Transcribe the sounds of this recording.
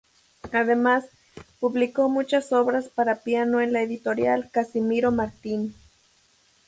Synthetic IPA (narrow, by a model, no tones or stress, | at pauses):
aðemas | puβlikomut͡ʃasoβɾaspaɾapianoenlaeðit̪oɾjalkasimiɾomaɾt̪in